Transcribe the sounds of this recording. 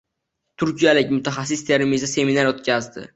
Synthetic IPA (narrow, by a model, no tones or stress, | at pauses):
t̪ʰʊɾkʲijalɪkʲmʊt̪ʰaχas̬ːɪst̪ʰeɾɪmizase̞minaɾot̪̚kʲʰazd̪ɪ̰